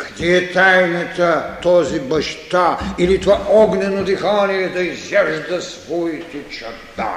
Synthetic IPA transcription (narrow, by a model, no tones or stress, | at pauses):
kɐ̥d̪ɛɛt̪ajnɐt̪ɐt̪ɔzibɐʃt̪ailit̪ovaɔɡnɛnod̪ɛxaniɛd̪ɐizɛʒd̪ɐsvɔit̪ɛt͡ʃɐt̪a̰